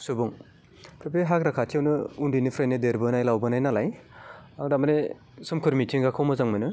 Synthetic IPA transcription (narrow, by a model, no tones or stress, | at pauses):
subuŋ | pʰɾepʰeɦakɾakʰatʰijawnɯundinipʰɾajnɯdeɾbɯnajlawbɯnajnalajadamane | sɯmkʰɯɾmitʰiŋɡakʰawmɐzaŋmɯnɯ